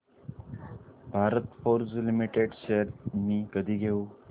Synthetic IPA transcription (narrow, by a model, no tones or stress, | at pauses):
bʱaɾət̪foɾd͡zlimiʈeɖɕeəɾmiːkəd̪ʱiːɡʱeu